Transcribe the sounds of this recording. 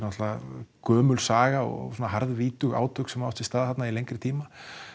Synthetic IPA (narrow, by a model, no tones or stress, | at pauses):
nɔht̪lakœːmʏlsaːɣaɔ̰ɣɔ̰sɔnaɦaɾðviːt̪ʏɣa̰ːwt̪ʰʏksɛmawt̪ɪst̪aːðhat̪nailejŋkɾɪt̪ʰiːma